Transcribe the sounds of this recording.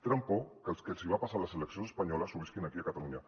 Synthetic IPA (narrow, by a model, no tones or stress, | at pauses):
t̪ɾampokəlˠskelˠsiβ̞apasaləsələksijonsəspaɲɔləsuβiskinakiakat̪aluɲa